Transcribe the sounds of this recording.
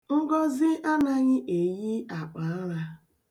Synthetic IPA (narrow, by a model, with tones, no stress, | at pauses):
ŋ̩˦ɡɔ˦zɪ˦ʔa˦na˦ɲɪ˦ʔe˨ji˦a˨k͡pa˨a˦ɾa˦